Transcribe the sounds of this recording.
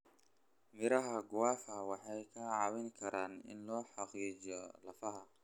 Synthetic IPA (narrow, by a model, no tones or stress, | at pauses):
mɪɾɐɦɐɡʊwaːfɐwɑħɑjkʰɐʕɑwɪŋkʰɐɾʔaːnɪ̰nlɔːħɑqiːt͡ʃɔlɐfɐɦɐ